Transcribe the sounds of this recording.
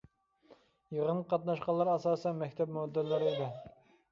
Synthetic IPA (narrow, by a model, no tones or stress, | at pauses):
jəʁənqʰɑt̪nɑʃqɑnlˠːɑɾɑsɑːsɛnmɛkʲt̪ʰɛpmod̪ːɛlːɨɾɪid̪ɪ